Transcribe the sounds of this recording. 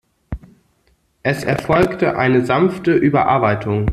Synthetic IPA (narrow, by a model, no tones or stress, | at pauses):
ʔɛsɛ̰ɐfɔlktəʔa̰ɪnəzanftəʔyːbɐ̰ʔa̰ɐbaɪtʰʊŋ